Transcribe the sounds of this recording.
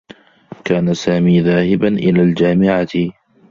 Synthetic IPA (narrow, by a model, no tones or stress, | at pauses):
kaːnasaːmiːðaːhɪbanʔɪlaːld͡ʒaːmɪʕa